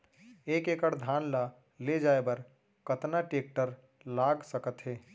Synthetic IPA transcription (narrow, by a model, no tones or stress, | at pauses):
eːkekəɽd̪ʱaːnla | led͡ʒaːebəɾ | kət̪naʈeːk̚ʈəɾ | laːɡsəkət̪ɦeː